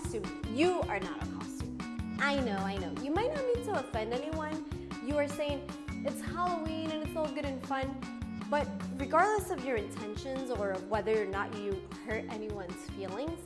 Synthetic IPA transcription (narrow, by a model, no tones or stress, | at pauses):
stʉ̃mjɨə˞nə̰ɾə̰kʰɑ̰stʉ̰̃mʔaɪnoʊaɪnoʊjɨmaɪtⁿnət̚nid̚tʰəəfɛ̃ndɛniwʌ̃n | jɨə˞seɪɪ̃ŋ | ɨtshælˠowĩnɨ̃nɨtsɔl̩ˠɡʊɾɨ̃nfʌ̃nb̥ʌt̚ɹɨɡɑɹdˡləsʌvjə˞ɨ̃ntʰɛ̃nʃɨ̃nzə˞ʌvwɛðə˞nə̰t͡ʃɨ | hɜ˞ɾɛ̰niwʌ̃nz̥filˠɪ̃ŋz̥